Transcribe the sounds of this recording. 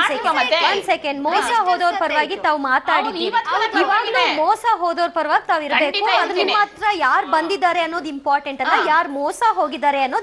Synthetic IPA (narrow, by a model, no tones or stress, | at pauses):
sekeʋɐnsekeɳɖmɔːsaːɦoːd̪oːɾpɐɾʋaːɡit̪aːʋumaːt̪aːɽiʋiiʋaːɡɐluːmɔːsaɦoːd̪oːɾpɐɾɐʋaːɡit̪aːʋiɾɐbe̞ːkuɐd̪ɐnːumaːt̪ɾɐjaːɾbɐnd̪id̪ːaːɾeɐnːoːd̪impaːɾʈeɳʈɐnːɐjaːɾmɔːsaɦoːɡid̪ːaːɾeɐnːo̞ːd̪